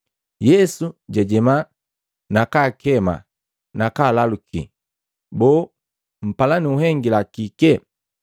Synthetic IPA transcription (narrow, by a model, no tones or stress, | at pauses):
jɛsuɟɛɟɛma | nakaːkɛma̰ | nakaːlalukḭ | bɔː | m̩palaniuɦɛŋɡilakikɛ